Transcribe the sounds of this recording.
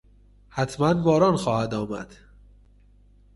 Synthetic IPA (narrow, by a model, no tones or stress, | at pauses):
hæt̪ʰmænvɒːɾɒːnxɒːhæd̪ɒːmæ̰d̪̥